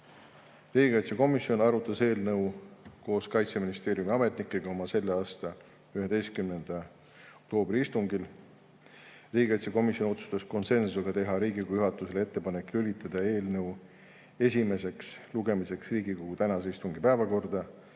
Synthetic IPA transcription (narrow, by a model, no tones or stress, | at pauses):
riːɡʲikɑjt̪sjɑko̞misjo̞nɑɾut̪ːˑɑse̞ːlnɤwko̞ːskɑjt̪seminist̪e̞ːɾjumiɑme̞t̪nikːˑe̞ɡ̥ɑo̞mɑse̞lːeɑːst̪ɑ | yhe̞t̪e̞jst̪̚kymne̞nd̪̥ɑ | ok̚t̪o̞ːbriist̪uŋɡil | riːɡʲikɑjt̪sjɑko̞misjo̞no̞t̪su̥st̪ɑsko̞nse̞nseɡ̥ɑt̪e̞ɦɑɾiːɡikujyɦɑt̪ːˑuse̞lee̞t̪ːe̞pɑnekːˑiylit̪ːˑɑd̪̥ɑe̞ːlnɤw | e̞s̬ʲime̞se̞ksluɡ̥e̞mise̞ksriːɡ̥ikoɡ̥ut̪ænɑseist̪uŋɡipæːvɑko̞rd̪̥ɑ